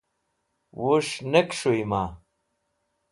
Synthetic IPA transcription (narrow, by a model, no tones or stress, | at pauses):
wuʂnekʂujma